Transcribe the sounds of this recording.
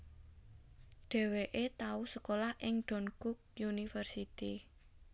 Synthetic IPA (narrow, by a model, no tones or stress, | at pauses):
ɖ̥e̤weʔet̪ausəkolahʔɪŋɖ̥ɔ̤nkʊk̚junifərsit̪i